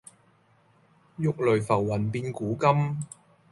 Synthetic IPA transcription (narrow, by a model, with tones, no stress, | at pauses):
jʊ˥k̚lɵ˨˩ɥfɐ˨˩wːɐ˨˩npiː˧nkuː˨˥kɐ˥m